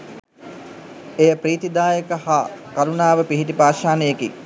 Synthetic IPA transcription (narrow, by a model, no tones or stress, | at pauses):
ejəpɾiːt̪id̪aːjəkəhakaɾunaːʋəpiɦiʈipaːʃaːnəjekḭ